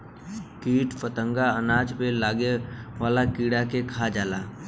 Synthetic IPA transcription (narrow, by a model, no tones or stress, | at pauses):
kiːʈpət̪əŋɡaənaːd͡ʒpelaːɡeʋaːlakiːɽakekʰad͡ʒaːlaː